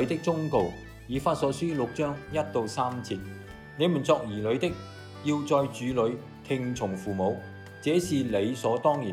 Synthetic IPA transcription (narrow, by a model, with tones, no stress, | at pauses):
ɥt̪ɪ˥k̚t͡sʊ˥ŋko˨˧w | jiː˨˧faː˧t̚sɔː˨˥syː˥lʊ˨k̚t͡ʃœː˥ŋjɐ˥t̚t̪o˨˧wsaː˥mt͡sʰiː˧t̚ | ne˨˧jmu˨˩nt͡sɔː˧k̚jiː˨˩lɵ˨˧˥ɥt̪ɪ˥k̚ | jiː˧wt͡sɔː˧jt͡ʃyː˨˧lɵ˨˧ɥ | t̪ʰɪ˧ŋt͡sʰʊ˨˩ŋfuː˨˩mo˨˧w | t͡sɛː˨˥siː˨le˨˧jsɔː˨˥t̪ɔː˥ŋjiː˨˩